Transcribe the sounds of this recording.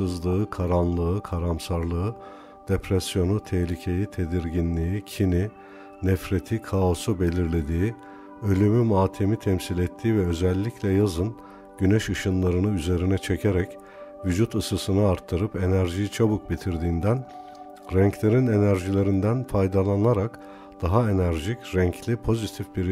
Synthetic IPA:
ɯzlˠɯɯkʰaɾanlˠɯɯkʰaɾamsaɾlˠɯɯ | d̪̥epɾɛsjo̞nut̪ʰɛçlʲicʰe̞jit̪ʰe̞d̪iɾɟinlʲiicʰini | nɛfɾe̞t̪ʰikʰao̞sube̞lʲiɾlʲe̞d̪iː | ø̞lʲymymaːt̪ʰe̞mit̪ʰɛmsilʲet̪ʰːiːvɛø̞zɛlʲːiclʲɛjazɯn | ɟ̥ynɛʃɯʃɯnlˠaɾɯnɯyze̞ɾinɛt͡ʃʰe̞cʰeɾɛc | vyd͡ʒut̪ɯsɯsɯnɯaɾt̪ʰːɯɾɯpe̞næɾʒijit͡ʃʰabuk̚bit̪ʰiɾd̪iːnd̪æn | ɾɛɲclʲe̞ɾine̞næɾʒilʲe̞ɾind̪ænfajd̪alˠanaɾak | d̪̥aɦae̞næɾʒicɾɛɲclʲipʰo̞zit̪ʰifbiɾ

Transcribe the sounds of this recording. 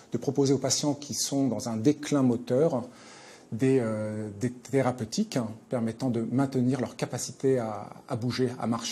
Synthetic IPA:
d̪̥əpχɔpozeopasjɑ̃kʲʰisɔ̃d̪ɑ̃zɛ̃d̪eklɛ̃mɔt̪œʁ | d̪eød̪et̪eʁapøt̪ʰikpɛʁmɛt̪ɑ̃d̪əmɛ̃t̪əniʁlœʁkapasi̥t̪eaːbuʒea̰maʁʃe

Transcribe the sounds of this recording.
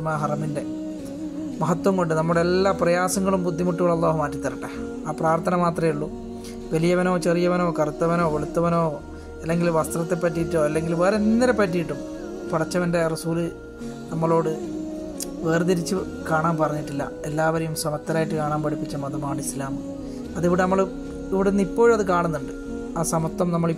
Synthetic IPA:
ɐmaːɦɐrɐminde̞ | mɐɦɐt̪wɐmkoɳɖɨnɐmːuɽe̞lːaːprɐjaːsɐŋːɐɭumbud̪ʱːimuʈːuɣɐɭɐlˠˤːaːɦumaːtːit̪ːɐɾɐʈːɐ | aːpraːrt̪ʰɐnɐmaːt̪rɐjuɭːu | ʋɐlijɐʋɐno̞ːt͡ɕerijɐʋɐno̞ːkɐrut̪ːɐʋɐno̞ːʋeɭut̪ːɐʋɐnoː | ɐlːe̞ŋɡilʋɐst̪rɐt̪ːe̞pːɐtːijiʈːoːɐlːe̞ŋɡilʋɐːɾenːiɾepːɐtːijiʈːum | pɐɽɐt͡ɕːɐʋɐnde̞rɐsuːlɨ | nɐmːɐɭo̞ːɽɨ | ʋeːrɨt̪iɾit͡ɕːɨ | kaːɳaːmpɐrɐɲːiʈːilːɐ̰elːaːʋɐɾɐjumsɐmɐt̪ːɐɾaːjiʈːɨkaːɳaːmpɐɽipːit͡ɕːɐmɐðɐmaːɳislaːm | ɐðiʋiɽenɐmːɐɭ | iʋiɽenːipːo̞ːɻmɐðɨkaːɳunːuɳɖɨ | aːsɐmɐt̪ːɐmnɐmːɐɭi

